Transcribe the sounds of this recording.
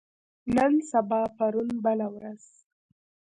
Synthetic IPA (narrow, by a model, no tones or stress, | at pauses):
nənsabɑpaɾunbəlawɾaz̥